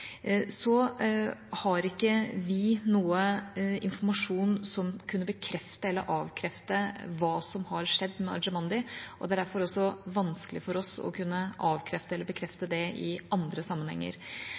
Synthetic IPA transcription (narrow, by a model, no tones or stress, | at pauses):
sɔ | hɑɾɪkːəʋɪnuːəɪnfɔɾmɑʂuːnsɔmkʰʉnːəbəkʰɾɛft̪əɛlːəɾʔɑːʋkʰɾɛft̪əʋɑːsɔmhɑɾʂɛd̪ːmɛɑ̰ɾd͡ʒəmɑnd̪ɪʔɔd̪ɛæɖæɾfɔɾɔsːɔʋɑnskəlɪfɔɾɔsɔ̰kʰʉnːəʔɑːʋkʰɾɛft̪əɛlːəɾbəkʰɾɛft̪əd̪ɛɪɑnd̪ɾəsɑmːənhɛ̰ŋːə̰ɾ